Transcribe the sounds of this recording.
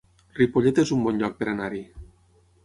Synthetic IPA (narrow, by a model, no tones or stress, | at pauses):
ripoʎet̪ezumbɔnʎɔk̚peɾanaɾi